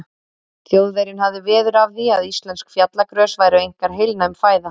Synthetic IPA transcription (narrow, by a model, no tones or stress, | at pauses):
cjoːwðejɾɪnɦavðɪvɛːðʏɾavθiaðist̪lɛnskfjat̪lakɾœːsvaːjɾʏejŋ̥kaɾ̥ɦɪjlnaɪmfaːjða